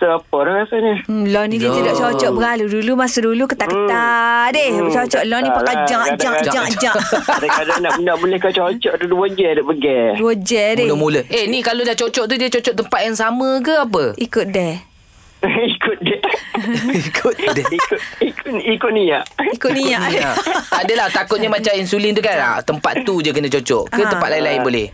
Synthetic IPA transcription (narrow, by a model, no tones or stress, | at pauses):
səapədahɾasaɲəlɔnidiət̪ədɔʔt͡ʃot͡ʃɔʔbəɾaludulumasudulukət̪aʔkət̪adɪht͡ʃɔt͡ʃɔʔlɔnipakad͡ʒaŋdaŋd͡ʒaŋd͡ʒaadakadanaʔnaʔbulɛhkat͡ʃot͡ʃɔʔt̪uduwod͡ʒɛdəʔbəɡɛwod͡ʒɛdɛəmuləehnikalodaht͡ʃot͡ʃɔʔt̪̬udiət͡ʃot͡ʃɔʔt̪əmpat̪̚jaŋsamək̬əap̬əikʊt̪̚dɛ | ikʊt̪̚dɛ | ikʰʊt̪̚dɛikʊikikʊt̪̚nijaʔikʊt̪̚niaʔaʔt̪adəlaht̪akʊt̪̚ɲəmat͡ʃaminsulint̪ukaɾa̰ʔt̪əmpa̰t̪ːud͡ʒəkənət͡ʃot͡ʃɔ̰ʔkət̪əpat̪̚lainlaɪnbolɛh